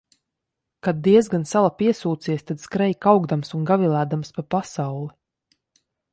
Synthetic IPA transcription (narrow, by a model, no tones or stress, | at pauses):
kad̪̚dːiɛzɡansalapiɛsuːt̪siɛst̪ad̪skɾɛjkawɡd̪amsunɡavilˠæːd̪amspapasawlˠi